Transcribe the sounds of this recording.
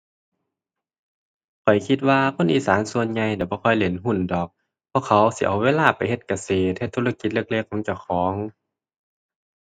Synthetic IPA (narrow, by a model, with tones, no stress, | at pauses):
kʰɔ˨˩jkʰi˧t̪̚waː˧kʰo˧˥˨nʔiː˧˨saː˨˦nsu˧ənɲa˧jda˧˩bɔː˧˦kʰɔ˧˩jle˨˩˦nɦu˧˩˨ndɔː˨˩k̚ | pʰɔ˧˨kʰa˧˩wsi˧˦ʔa̰˨˩wweː˧˥˨laː˧˩˨pa˨jhe˧t̪̚ka˧˩seː˨˩ɛ˧t̪ʰːuː˧˨la˧ki˧˦t̪̚lɤ˧˩˨k̚leː˧˩˨kʰːɔː˨˦ŋt͡ɕa˧˩wxʰɔː˨˦ŋ